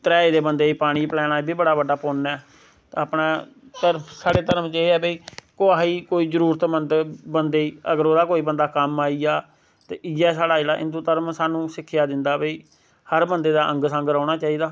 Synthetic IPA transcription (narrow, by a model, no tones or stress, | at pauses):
t̪əɾɛːeːd̪eːbənd̪eːipaːɽ̃iːplɛːnaːbʱiːbəɽaːbəɖaːpoːnɛː | t̪ːaːpɳãː | t̪əɾsaːɽeːt̪əɾəmt͡ʃeːɛːbeiːkoːaːiːkoːiːzəɾuːɾət̪mənd̪bənd̪eːiːəɡəɾoːd̪aːkoːiːbənd̪aːkəmaːiːaː | t̪ḛːʔɪjɛːsaːɽaːelaːʔɪ̰nd̪uːt̪əɾəmsaːnũːsɪkʰːɪjaːd̪ɪnd̪aːbeiː | həɾbənd̪eːd̪aːʔə̃ŋɡsə̃ŋɡɾaːʊɽ̃aːt͡ʃaːiːd̪aː